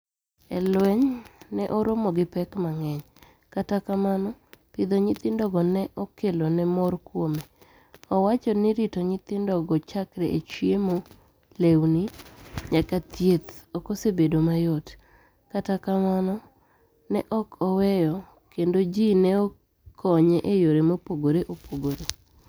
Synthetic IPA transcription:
ɛlwɛɲnɛʔɔɾomɔɡɪpɛkmaŋɛɲ | katakamanɔpɪd̪oɲɪt̪ɪndɔɡɔnɛʔɔkelonɛmɔrkwome | ɔwat͡ʃɔnɪɾɪtoɲɪt̪ɪndɔɡɔt͡ʃakɾɛʔet͡ʃjemo | lewniɲakat̪jet̪ɔkosebedomajɔt | katakamanɔ | nɛʔɔkʰɔwɛjɔ | kendod͡ʒinɛɔ | kʰɔɲeʔejoɾemopoɡoɾeʔopʰoɡoɾe

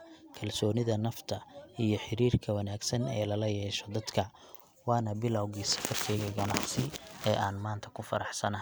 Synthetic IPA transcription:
kʰɐlsɔːnɪðɐnɐft̪ʰɐijɞħɪɾiːrkʰɐwɐnaːɡsɐnɛ̰ːlɐlɐjɛːʃɔd̪ɐd̪kʰɐ | wɑːnɐbɪlɐwɣisɐfɐrkʰɛːɣɐɡɐnɑʕsɪɛːʔaːnmaːnt̪ʰɐ̥kʰʊfɐɾɑħsɐnɐɦ

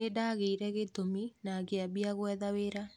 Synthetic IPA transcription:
edaɣeiɾɛɣetominakeabiaɣwɛðaweɾa

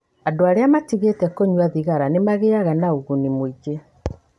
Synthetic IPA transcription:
adoaɾeamatiɣetɛkoɲwaðiɣaɾanemaɣeaɣanauɣunimwiɡe

